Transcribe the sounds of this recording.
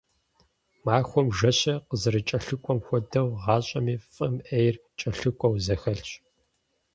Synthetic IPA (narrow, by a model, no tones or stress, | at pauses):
maːxʷɔmʒɐɕɐqəzɨɾɨt͡ʃʼɐɬɨkʷʼɔmxʷɔdɐwʁɑːɕʼɐmiːfʼɨmʔejrt͡ʃʼɐɬɨkʷʼɔwzɐxɐɬt͡ʃʼ